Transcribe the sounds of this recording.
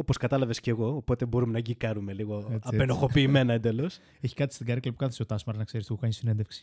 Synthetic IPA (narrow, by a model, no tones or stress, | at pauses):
opo̞skɐt̪ɐlɐve̞sce̞ɣo̞ːpo̞t̪e̞bo̞ɾume̞nɐɟikɐɾume̞liɣoɐppe̞noxo̞piːme̞nɐend̪elo̞s | eçi̥kɐt̪i̥st̪iɡɐɾeklɐpu̥kɐt̪θeseot̪ɐsmɐɾt̪nɐkse̞ɾist̪iɣokɐɲisinend̪efksi̥